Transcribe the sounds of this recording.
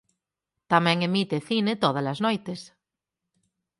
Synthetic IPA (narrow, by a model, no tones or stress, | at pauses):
t̪amɛ̃ŋemit̪eθinet̪oð̞alaznojt̪es